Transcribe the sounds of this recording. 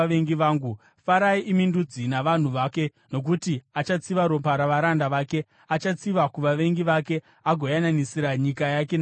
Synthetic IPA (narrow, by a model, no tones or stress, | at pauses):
ʋeŋɡiʋaːŋɡu | faɾaiʔimindud͡zinaʋan̤uʋaːke̞ | no̞k̬utiat͡ʃat͡siʋaɾopaɾaʋaɾandaʋaːke̞ | at͡ʃat͡siʋakuʋaʋe̞ŋɡiʋake̞ | aɡʱo̞jananisiɾaɲikajak̬en